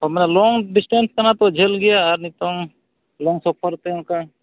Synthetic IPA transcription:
ɔɾmɛːnɛlɔŋɖɪsʈẽnskəɾnat̪od͡ʒʱelɡɪjaːɾnit̪o | lɔŋsɔp̚ʰəɾt̪eũka

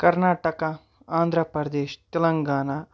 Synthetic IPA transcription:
kɐɾnaːʈɐka | aːnd̪ʱɾɐpɾɐd̪eːʃt̪elɐŋɡaːnaː

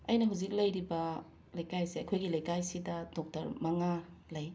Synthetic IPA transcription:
ɐjnɐɦuzik̚lɐjɾibɐ | lɐjkajsiɐkʰojɡilɐjkajsidɐdɔk̚tɐɾmɐŋa | lɐj

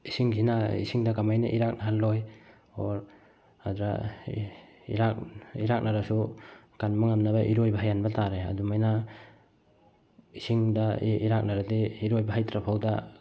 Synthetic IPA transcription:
isiŋsinaḭsiŋdakamajnaʔiɾak̚naɦalːoj | ɔɾ | adɾa̰ | iɾak̚ḭɾak̚naɾasu | kanmaŋamnabaʔiɾojbaɦajanbataɾea̰dumajna | isiŋdaiɾak̚naɾadiiɾojbaɦajtɾapʰawda

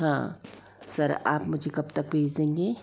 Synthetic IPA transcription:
ɦã̰ː | sɐɾa̰ːpmʊd͡ʒʱekɐbt̪ɐk̚bʱeːd͡ʒd̪ẽːŋɡeː

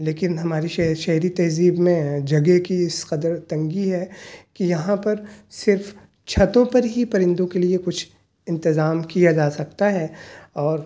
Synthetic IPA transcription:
leːkɪnɦɐmaːɾiʃʃɐɦɾit̪ɐːziːbmẽd͡ʒɐɡekiɪsqɐd̪əɾt̪ɐ̃ŋɡiɦɛkijɐɦãpɐɾsɪɾf | t͡ʃʰɐt̪õpɐɾɦipɐɾɪ̃nd̪õkeliekʊt͡ʃʰ | ɪ̃nt̪ɪzaːmkijad͡ʒaːsɐkt̪aɦɛɔːɾ

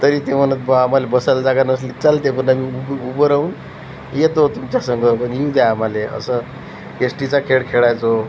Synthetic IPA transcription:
t̪əɾit̪em̤ənət̪̚bamalebəsald͡zaɡanəslit̪t͡salt̪ep̬ənamiububəɾaun | jet̪ot̪umt͡ɕjasəŋɡʌpənjiũd̪jaamaleə̰sə | esʈit͡sakʰeɽkʰeɭajt͡so

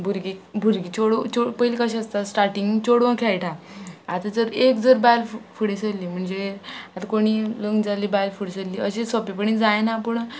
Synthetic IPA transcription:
bʱuɾɡibʱuɾɡit͡ɕoɽt͡ɕopəjlikaɕəst̪asʈaɾʈiŋɡt͡ɕoɽʋə̃kʰajʈʰãat̪ad͡zəɾekd͡zəɾbajlfuɽesəlːiːm̤əɳd͡zeat̪akoɽ̃iləŋɡd͡zalibajlfuɽesəlːiːəɕesɔpipəɳid͡zajnapəɳ

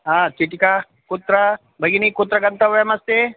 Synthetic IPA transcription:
at͡ʃiʈika | kot̪ɾɐ | bʱɐɡinikot̪ɾɐɡɐnt̪aʋjamɐst̪e

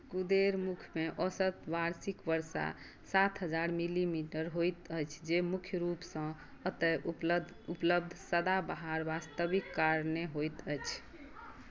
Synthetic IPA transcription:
kud̪eɾmukʰmeʔɔsət̪baɾsikbəɾsa̰ | sat̪ʰɦəd͡ʒaɾmilimiʈəɾɦojt̪əjt͡ʃʰd͡ʒemukʰjəɾupsə̃ | ət̪əj | upləb̚d̪ʱsəd̪abəɦaɾbast̪əbikːaɾneɦojt̪əjt͡ʃʰ

